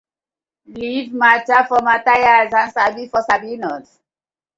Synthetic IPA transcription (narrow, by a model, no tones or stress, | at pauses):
livmat͡ʃafɔmatajazãnsabifɔsabinɔt